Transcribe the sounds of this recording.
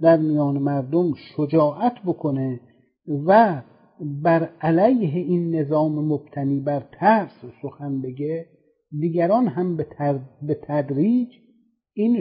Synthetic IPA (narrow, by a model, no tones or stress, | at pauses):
d̪æɾmijɒːnemæɾd̪omʃod͡ʒɒːʔæt̪ʰbokʰone | væ | bæɾælæjɦeinːe̞zɒːmemob̥̚t̪ʰæniːbæɾt̪ʰæɾssoxænbe̞ɡe | d̪iːɡæɾɒːnɦæmb̪bet̪ʰæd̪ɾiːd͡ʒ | iːn